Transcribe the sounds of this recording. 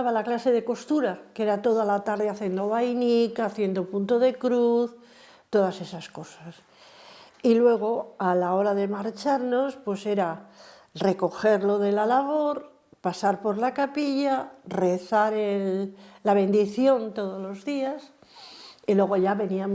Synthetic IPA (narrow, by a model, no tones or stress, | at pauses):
aβalaklase̞ðe̞ko̞st̪uɾake̞ɾat̪o̞ðalat̪aɾðeaθje̞nd̪o̞βajnikaθje̞nd̪o̞punt̪oðe̞kɾuθ | t̪o̞ðase̞sasko̞sas | ilwe̞ɣ̞o̞alao̞ɾaðe̞maɾt͡ʃaɾno̞spwe̞se̞ɾa | re̞ko̞xe̞ɾlo̞ðe̞lalaβo̞ɾ | pasaɾpo̞ɾlakapiʎare̞θaɾelːaβ̞ẽ̞nd̪iθjo̞nt̪o̞ð̞o̞lo̞zðias | ilwe̞ɣ̞o̞ʝaβe̞niam